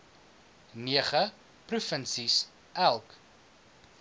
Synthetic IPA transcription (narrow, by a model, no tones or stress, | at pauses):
niəχə | prufənsis | ʔælˠk